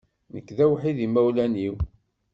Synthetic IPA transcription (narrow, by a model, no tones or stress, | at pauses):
nə̰kːðæwħiðimæwlæniw